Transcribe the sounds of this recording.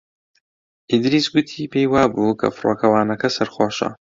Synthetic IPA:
ʔid̪ɾisɡʊt̪ʰiːpʰejwaːbuːkʰɐ̰fɨɾoːkʰɐwaːnɐkɐsɐɾχoːʃɐ̰

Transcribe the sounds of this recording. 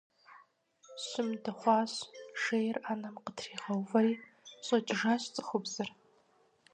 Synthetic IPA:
ɕɪmdɐχʷɑːɕʂejraːnɐmqətʰriːʁɐwvɐɾiː | ɕʼɐt͡ʃʼɪʐaːɕt͡sʼɨ̥χʷʊbzɨr

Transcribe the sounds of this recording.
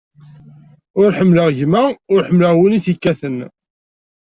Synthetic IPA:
ʊɾħəmːləʁʝmæʊɾħəmləʁwiniθikːæθən

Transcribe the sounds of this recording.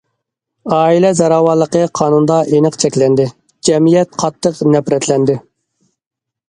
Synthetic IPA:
ɑːilɛzɑɾɑwɑlˠːəqəqʰɑːnund̪ɑʔenəqt͡ʃʰɛkʲlɛnd̪ɪ | d͡ʒɛmijɛt̪̚qʰɑt̪ʰːəqnɛpɾɛt̪lɛnd̪ɪ

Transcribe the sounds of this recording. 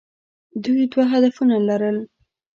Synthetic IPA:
d̪ujd̪waɦad̪afunalaɾəl

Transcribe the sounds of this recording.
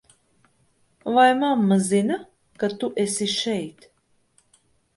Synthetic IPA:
vajmamːazina | kat̪uʔɛsiʃɛjt̪

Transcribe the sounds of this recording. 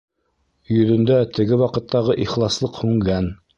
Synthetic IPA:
jɵ̆ðɵ̆nd̪æt̪ɘ̆ɡɘwɑqɤ̆t̪ːɑʁɤʔiχlˠɑslˠɤqhʉŋɡæn

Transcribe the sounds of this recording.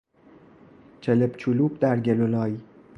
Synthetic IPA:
t͡ʃʰelebt͡ʃʰuluːb̚d̪æɾɟelolɒːji

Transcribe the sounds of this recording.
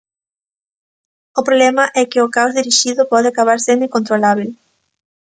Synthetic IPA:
ʊpɾoβlɛmɐʔɛkɪʊkawzðiɾiʃiðʊpɔðɪakaβ̞aɾsenẽŋkont̪ɾolaβel

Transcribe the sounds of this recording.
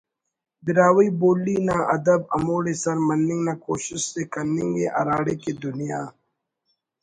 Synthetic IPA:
bɪɾaːwiboːlːiːnaːʔɐd̪əbɐ̰moːɽesɐɾmɐnːɪ̃ŋɡnaːkoːʃɪʃsekɐɾnɪ̃ŋɡḛʔɐ̰ɾaːɽeːkeːd̪ʊnijaː

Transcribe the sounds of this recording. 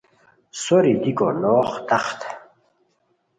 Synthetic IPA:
soɾid̪ikʼo̰noːχt̪aχt̪ʰ

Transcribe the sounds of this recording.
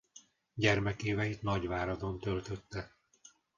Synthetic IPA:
ɟɛrmɛkeːvɛjit̪nɒɟvaːɾɒd̪o̞nt̪ølt̪øt̪ːɛ

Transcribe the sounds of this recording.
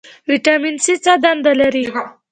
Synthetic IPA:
wiʈaminsit͡sad̪and̪alaɾi

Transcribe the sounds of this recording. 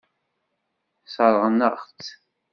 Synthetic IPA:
sˤəɾˤʁənəʁt͡s

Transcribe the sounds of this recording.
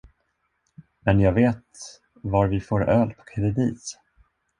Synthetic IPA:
mɛnjɑːɡveːt̪ | vaɾvɪfoːɾœːlpʰɔ̥kʰɛd̪ɛd̪iːs

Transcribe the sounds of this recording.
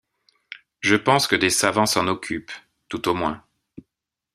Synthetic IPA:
ʒəpɑ̃skəd̪esavɑ̃sɑ̃nɔkʲʰyp | t̪ut̪omwɛ̃

